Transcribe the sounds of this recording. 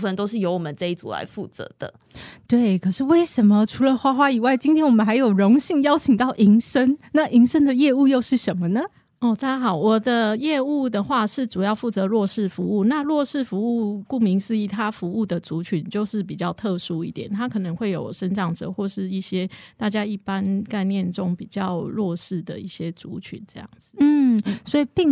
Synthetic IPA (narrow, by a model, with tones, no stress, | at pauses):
fə˧nt̪o˥ʊʂɻ̩˥˩jo˧˥ʊwɔ˨mə˨˦nʈ͡ʂɤ˥˧i˥˩t͡sṵ˨˩la̰˧˦ɪfu˥˩t͡sə̰˧˦d̪̥ə̰˧ | t̪we˥˩ɪkʰɤ˨˩ʂɻ̩˥˧we˥˩ɪʂə˧˦nmə˨ʈ͡ʂʰu˧˥lə˧xwa˥xwa˥i˨˩wa˥˩ɪt͡ɕi˥nt̪ʰjɛ˥wɔ˨˩mə˧˦nxa˧˥ɪjo˨˩ʊɻo˧˥ŋɕi˥˧ŋjɑ˥ʊt͡ɕʰi˨˩ŋt̪ɑ˥˩ʊʔi˧˥ŋʂə˦˥nna˥˩ʔi˧˥ŋʂə˥nd̪ə˨jɛ˥˧u˥˧jo˥˧ʊʂɻ̩˥˩ʂə˧˦nmə˧nə˩ | ɔ˥˩t̪a˥t͡ɕa˥xɑ˨˩ʊwɔ˨˩d̪ə˦jɛ˥˧u˥˩d̪ə˨xwa˥˧ʂɻ̩˥˩t͡su˨˩jɑ˥˧ʊfu˥˩t͡sɤ˧˥lwɔ˥˧ʂɻ̩˥˩fu˧˦u˥˩na˥˧lwɔ˥˧ʂɻ̩˥˩fu˧˥u˥˩˧ku˥˩mi˧˥ŋsɹ̩˥˧i˥˩t̪ʰa˥fu˧˥u˥˩d̪ə˩t͡su˧˦t͡ɕʰy˨˦nt͡ɕjo˥˧ʊʂɻ̩˥˩pi˨˩t͡ɕjɑ˥˧ʊt̪ʰɤ˥˩ʂu˥i˥˩t̪jɛ˨˩nt̪ʰa˦˥kʰɤ˨˩nə˧˦ŋxwe˥˩ɪjo˨˩ʊʂə˥nʈ͡ʂɑ˥˩ŋʈ͡ʂɤ̰˨˩˦xwɔ˥˧ʂɻ̩˥˧i˥˩ɕjɛ˥t̪a˥˩t͡ɕja˦i˥˩pa˦nka˥˧ɪnjɛ˥˨nʈ͡ʂo˥ŋpi˨˩t͡ɕjɑ˥˧ʊɻwɔ˥˧ʂɻ̩˥˩d̪ə̰˩i˥˩ɕjɛ˥t͡sṵ˧˥t͡ɕʰy̰˨˦nʈ͡ʂɤ˥˧jɑ̰˥˩ŋd͡z̩˨˩n̩˥˩swɔ˧˥i˨˩pi˥˧ŋ